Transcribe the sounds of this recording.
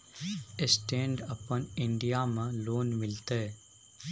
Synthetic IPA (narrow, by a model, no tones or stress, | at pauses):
ɪsʈẽːɳɖəpənɪɳɖijaːmə̃loːnmɪlt̪e